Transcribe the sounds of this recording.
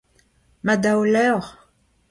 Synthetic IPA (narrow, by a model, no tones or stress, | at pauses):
mad̪awlœʁ